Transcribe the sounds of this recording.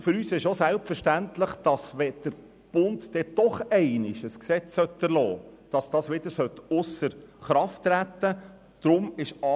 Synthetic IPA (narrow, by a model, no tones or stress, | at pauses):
fʏɾyːsɪʃosælpfəɾʃtænt̪lɪχd̥ɑsʋɛd̪̥əɾ | b̥ʊnt̪dɛd̥̪ɔχɛɪnɪʃəsksɛt͡ssœt̪ːəɾlɔːd̥ɑsd̥̪ɑːsʋɪd̪əɾsœtʊsəɾχɾɑftːɾæt̪ːə | d̪̥ɾʊmɪʃɑ